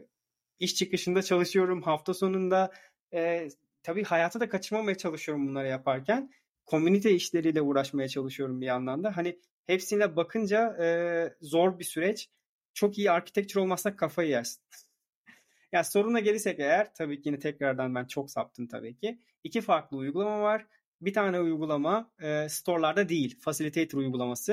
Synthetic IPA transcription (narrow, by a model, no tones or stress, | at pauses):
iʃt͡ʃʰɯkɯʃɯnd̪at͡ʃʰalˠɯʃɯjo̞ɾumhaft̪ʰaso̞nund̪a | ɯː | t̪ʰabiːhajaːt̪ʰad̪akʰat͡ʃʰɯɾmamajat͡ʃʰalˠɯʃɯjo̞ɾumbunˠaɾajapʰaɾcʰæn | kʰo̞mynit̪ʰɛiʃlʲe̞ɾiːlʲɛuːɾaʃmajat͡ʃʰalˠɯʃɯjo̞ɾumbianlˠamd̪aɦani | hepsinlʲɛbakʰɯnd͡ʒaɯːzo̞ɾbisyɾɛt͡ʃ | t͡ʃʰo̞kijiaɾcʰi̥t̪ɛc̚t̪ʰyɾo̞lˠmasːakʰːafajɯjaɾsɯ̥n | jaːso̞ɾunaɟe̞lʲiɾsɛcejæɾ̥t̪ʰabiːcʰijinɛt̪ʰɛcɾaɾd̪anbænt͡ʃʰo̞ksa̰p̚t̪ʰɯmt̪ʰa̰biːcʰiː | cʰifaɾklˠɯujɡulˠamavaɾ̥ | bit̪ʰaːnɛujɡulˠamaɯːst̪ʰo̞ɾlˠaɾd̪ad̪ejilʲfasilʲit̪ʰejt̪ʰyɾujɡulˠamasɯ